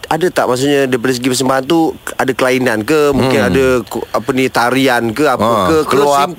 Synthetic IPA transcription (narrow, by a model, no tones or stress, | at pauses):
adat̪a̰ʔmas̬uɲadəip̬adəs̬əɡipərs̬əmbaɦant̪uadakəlainankəmũŋkɪnadaapənit̪aɾiankəapəkəkəla